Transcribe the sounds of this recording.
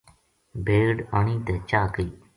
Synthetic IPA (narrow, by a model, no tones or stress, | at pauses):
bʱeːɖaːniːt̪ɛːt͡ʃaːkəiː